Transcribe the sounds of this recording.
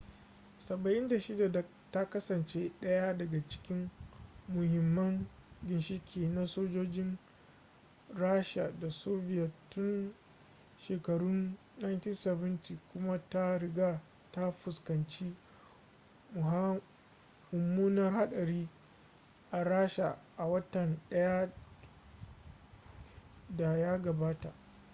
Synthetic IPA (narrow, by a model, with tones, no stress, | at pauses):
sɐ˨bɐ˨ʔɪ˦nda˨ʃɪ˦da˨da˨ | ta˦kɐ˦sɐ˨nt͡ʃe˦ɗɐ˦ja˦dɐ˨ɡa˨t͡ʃɪ̥˦kʲɪ˦mmʊ˨hɪ˨mːɐ˦ŋɡʲɪ˨nʃɪ˦kʲʰiː˨na˦soː˦d͡ʒoː˦d͡ʒɪ˦n | ɾaː˦ʃa˨da˨soː˦bɪ˦ja˨tʊ˦n | ʃeː˨kɐ˨ɽʊ˦nː | a˨jntiː˦nsɛ˨bɐ˦nti˨kʷʊ˦ma˦ta˦ɾɪ˨ɡa˦ | ta˦ɸʊ˨skɐ˨nt͡ʃiː˦ | mʊ˨ɦa˦ | mʊ˨mːuː˦nɐ˦rha˦ɗɐ˨ɾiː˦ | ʔa˨ɾaː˦ʃa̰˨ʔa˨wɐ˦tɐ˨nɗɐ˦ja˦ | da˨ja˦ɡɐ˨baː˦ta̰˨ʔ